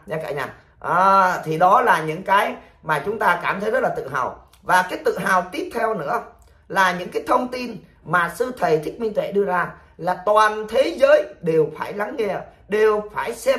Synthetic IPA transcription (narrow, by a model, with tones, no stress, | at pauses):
ɲaː˧kaː˧˩ɲa̰ː˧˩ | ʔaː˨˩t̪ʰi˨˩ɗɔ˨˦laː˨˩ɲɨ̰˧˥ŋkaː˨˦j | maː˨˩t͡ɕʊ˨˦ŋ͡mt̪aː˧kaː˧˩mt̪ʰə˨˦jzə˦˥t̚lːaː˨˩t̪ɨ̰˧˨ɦa̰ː˨˩w | vaː˨˩kaː˨˦jt̪ɨ̰˧˨ɦaː˨˩wt̪i˦˥p̚t̪ʰɛ˧wnɨ̰˧˥ə | laː˨˩ɲɨ̰˧˥ŋkaː˨˦jt̪ʰə˧wŋ͡mt̪i˧n | maː˨˩sɨ˧t̪ʰə˨˩jt̪ʰi˦˥k̚mi˧nt̪ḛ˧˩ɗɨ˧əzaː˧ | laː˨˩t̪waː˨˩nt̪ʰe˨˦zəː˨˦jɗe˨˩wfaː˧˩jla˨˦ŋŋɛ˧ | ɗe˨˩wfaː˧˩jsɛ˧